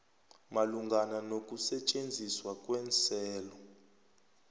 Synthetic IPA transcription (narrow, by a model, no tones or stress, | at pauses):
maluŋɡananok̬ʼusɛt͡ʃʼend͡zʱiswak̬ʼwɛnt͡sʰɛːlɔ